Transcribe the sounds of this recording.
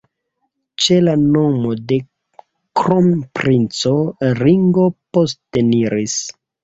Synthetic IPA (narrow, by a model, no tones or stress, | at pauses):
t͡ʃelano̞mode̞ | kɾompɾint͡soɾiŋɡo̞posteniɾis